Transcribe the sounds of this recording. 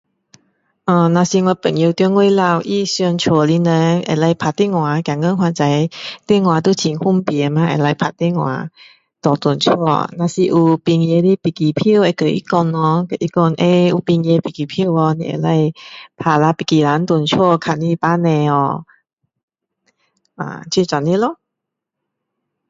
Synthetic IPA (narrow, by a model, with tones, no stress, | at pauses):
ʔə̃˧˩nã˧si˧ŋwa˧pə˨˩ŋji˧wt̪ŋwe˧la˧˨wʔi˧˨sɔ˧nt͡ɕʰɔ˧˩li˧˦nə˧˦ŋʔḛ˧˩la˧˩jpʰa˧˨t̪i˧˥˨ŋwã˨˦kja˨ŋə˧˨ɦwã˧˨t͡sa˧˦jt̪e˥˨ŋwã˨˦t̪̬u˧˨t͡ɕʰi˨˦ŋhu˥˩˨mpi˨ə˨˧˦mã˧˦ʔḛ˨˩la˧˩jpʰa˧˩t̪ɛ˧˨ŋwã̰˨˧˦ | t̪ɔ˨˩t̪u˨˩nt͡ɕʰɔ˥˧˨nã˧si˧ʔu˧pi˧ŋje˧li˧˦˨pi˨˩ki˨pʰi˧˨we˨˧˨kə˨ʔḭ˦kɔ˧˨nːɔ˧˦kə˨˧˨ʔi˦˥kɔ˧˨nʔe˧u˧pi˧ŋje˧pi˨˩ki˨˩pʰi˧˨wɔ˧nḭ̃˧˨ʔḛ˧˩la˧˨jpʰa˧˩la˧pi˨ki˨˩la˨˧˦nt̪u˨ənt͡ɕʰu˧˥˧kʰa˧˨ni˧˨pa˧˦nɛ̃˧ɔ̰˧˩ | ʔa̰˨t͡ɕʰi˧˨t͡sɔ˨ni˧˦lɔ˧˨